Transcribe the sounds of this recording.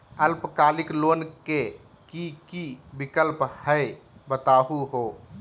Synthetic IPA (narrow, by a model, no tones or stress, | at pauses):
əlpkaːlɪkloːnke | kikibɪkəlphəe | bət̪aːɦuɦoː